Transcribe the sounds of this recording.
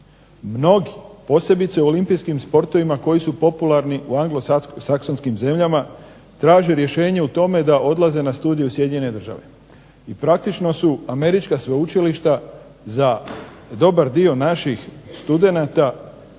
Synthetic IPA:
mno̞ɡipo̞ːse̞bit̪seuo̞limpijskimspo̞ɾt̪o̞ʋimako̞jisupo̞pulaɾniʔuaŋɡlosaksonskimze̞mʎama | t̪ɾaːʒeɾje̞ʃe̞ːɲe̞ut̪o̞me̞d̪aʔo̞d̪lˠaze̞nast̪uːd̪ijusjed̪ɲene̞d̪r̩ʒa̰ʋe̞̰ | ipɾak̚t̪it͡ʃno̞suame̞ɾit͡ʃkasʋeut͡ʃiliʃt̪a | za | d̪o̞baɾd̪io̞naʃixst̪ud̪e̞nat̪a

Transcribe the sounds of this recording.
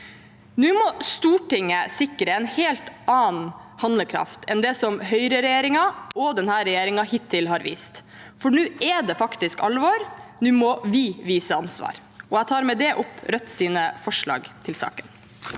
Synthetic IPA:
nʉːmɔst̪uːʈɪŋːəsɪkɾəɛnheːlt̪ʔɑːnhɑnd̪ləkʰɾɑ̰ft̪ʰɛnd̪ɛsɔmɦœʏɾəɾɛjeːɾɪŋɑɔd̪ɛnhæːɾɛjeːɾɪŋɑhɪt̪ʰːɪlhɑːɾʋḭːst̪ | fɔɳʉːɛd̪ɛfɑkt̪ɪskɑlʋɔɾnʉːmɔʋɪʋiːsəɑnsʋɑ̰ːɾ | ɔæt̪ʰɑːɾmɛd̪ɛʔʊpɾœt̪ːsiːnəfɔʂɭɑ̰ːɡt̪ʰɪlsɑ̰ːkən

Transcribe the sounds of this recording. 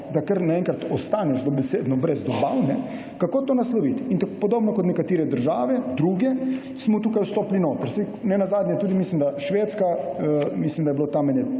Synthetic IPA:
d̪akəɾnaɛŋkɾat̪ɔst̪anɛʃd̪obɛsed̪nɔbɾɛzd̪ɔbawnɛ | kakoːt̪oːnaslɔʋit̪int̪akopɔd̪oːbnɔkɔt̪nɛkat̪iːɾɛd̪əɾʒaːʋɛd̪ɾuːɡɛ | smɔt̪uːkajust̪oːplinot̪əɾsɛj | nɛnazaːd̪nʲɲɛt̪uːd̪imislimd̪aʃʋeːt̪skaəmislimd̪ajɛblot̪amɛnjɛ

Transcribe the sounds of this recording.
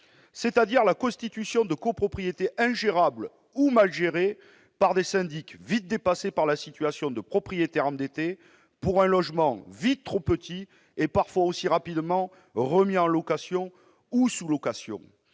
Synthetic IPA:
sɛt̪ad̪iʁlakɔ̃st̪it̪ysjɔ̃d̪əkɔpχɔpχijet̪eʔɛ̃ʒeʁabl | umalʒeʁe | paʁd̪esɛ̃d̪ikvit̪̚d̪epasepaʁlasit̪ɥasjɔ̃d̪əpχɔpχijet̪ɛʁɑ̃d̪et̪e | puʁɛ̃lɔʒmɑ̃vit̪t̪ːχopət̪i | epaʁfwaosiʁapid̪mɑ̃ | ʁəmiɑ̃lɔkasjɔ̃ | usulɔkasjɔ̰̃

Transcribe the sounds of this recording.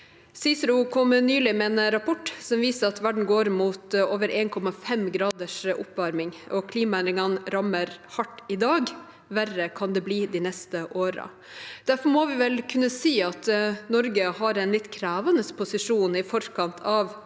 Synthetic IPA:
siːsəɾʊkʰɔmnyːlɪmɛɛnɾɑpʰɔʈːsɔmʋiːsəɾɑt̪ʋæɖɳ̩n̩ɡoːɾmuːt̪oːʋəɾʔeːnkʰɔmɑfɛmɡɾɑːd̪əʂʊ̰pːʋɑɾmɪŋɔkʰliːmɑænd̪ɾɪŋɑnɾɑməɾhɑʈːɪd̪ɑːɡ | ʋærəkʰɑnd̪ɛbliːd̪ɪnɛst̪əʔoːɾə̰ | d̪̥æɾfɔɾmɔʋɪʋɛlkʰʉnːəsiːɑt̪nɔɾɡəhɑɾɛnlɪt̪ːkʰɾæːʋɑnəspʰʊsɪʂuːnɪfɔɾkʰɑnt̪ʰɑʋ

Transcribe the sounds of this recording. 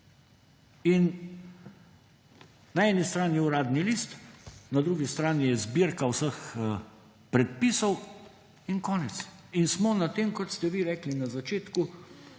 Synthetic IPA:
in | naɛːnist̪ɾaːniɛuɾaːd̪nilist̪nad̪ɾuːɡist̪ɾaːnijɛzbiɾkawsəx | pɾɛt̪̚pisɔw | inkɔːnɛt̪sinsmɔnat̪eːmkɔt̪st̪ɛʋiɾɛːklinazat͡ʃeːt̪ku

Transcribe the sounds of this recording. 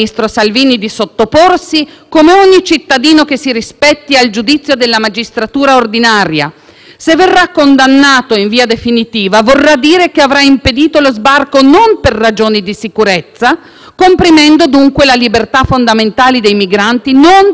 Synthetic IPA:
ist̪ɾosalviːnid̪isot̪ːoporsikomeoɲːit͡ʃit̪ːad̪iːnokesiɾispɛt̪ːiald͡ʒud̪it̪sːjod̪elːamad͡ʒist̪ɾat̪uːɾaord̪inaːɾja̰ | sevːerːakːond̪anːaːt̪oiɱviːad̪efinit̪iːvavorːad̪ːiːɾekeavɾaimped̪iːt̪olozbarkonomperːad͡ʒoːnid̪isikuɾet̪sːa | kompɾimɛnd̪od̪uŋkwelalibert̪afond̪ament̪aːlid̪ejmiɡɾant̪inon

